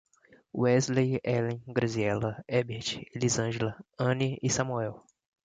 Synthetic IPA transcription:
w̰ɛzlejɛlẽɡɾɐziɛlɐɛbeɾt͡ʃlizɐ̃ʒelɐɐ̃niisɐmuɛw

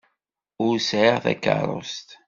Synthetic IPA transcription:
ʊɾsʕəʁθæ̰kːə̰ɾˤʊ̰st̪

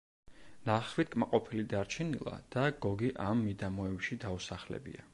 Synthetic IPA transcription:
naχwit̪̚kʼmaqʼɔpʰilid̪aɾt͡ʃʰɛnilˠa̰d̪̥aɡ̥ɔɡiʔamːid̪amɔɛwʃid̪ausaχlɛ̰bḭa

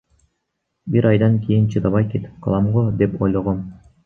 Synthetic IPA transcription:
bʲiɾɑjd̪ɑnkʲijɘ̆nt͡ɕɯd̪ɑbɑjkʲet̪ʲkɤ̆lˠɑmʁŏd̪ʲepʲolʲɤ̆ʁɤ̆m

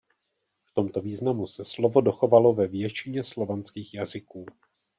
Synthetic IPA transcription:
ft̪o̞mt̪o̞viːznamusɛslo̞vo̞do̞xo̞valovɛvjɛt͡ʃɪɲɛslo̞vant͡skiːxjazɪkuː

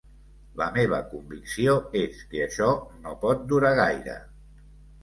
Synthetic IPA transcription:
ləmeβ̞ə̰kumbiksioeskəəʃɔnopɔt̪̚d̪uɾaɣajɾə̰

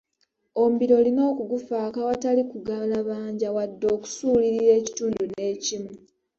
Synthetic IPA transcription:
o̞mbiɾo̞lino̞ːkuɡufaːkawatalikuɡalaβaːɲɟawadːo̞ːku̥suːliɾiɾe̞ːci̥tuːndune̞ːcimu

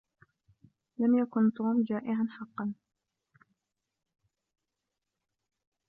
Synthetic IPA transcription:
lamjakʊnt̪ˤuːmd͡ʒaːʔɪʕanfɑqːɑn

